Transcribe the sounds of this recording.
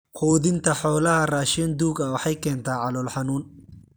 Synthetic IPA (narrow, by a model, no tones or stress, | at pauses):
qʰuːðɪnt̪ʰɐħɔːlɐɦɐraːʃɪnd̪uːɡɐwɑħɑjkʰɛːnt̪ʰaːʕɑlɔːlħɑnuːn